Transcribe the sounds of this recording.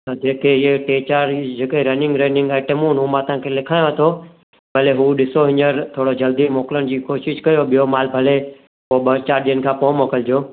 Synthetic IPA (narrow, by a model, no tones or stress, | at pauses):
t̪ɐd͡ʑeːkʰeɪeʈeːt͡ɕaːɾʈd͡ʑeːkeɾənɪ̃ŋɡɾeːnɪ̃ŋɡaeʈemuːnɦuːmãt̪ɐãːkʰelɪkʰaːjõt̪ʰo | bɐleɦuːɗɪsoɦɪɲəɾt̪ʰoːɽod͡ʑɐld̪imoːkɪlənɪ̆d͡ʑiːkoːʃɪʃkɐjoɓɪjomaːlbʱɐle | poːɓɐt͡ɕaːɾ̚ɗiənɪ̆kʰãːpoːmoːkəld͡ʑoː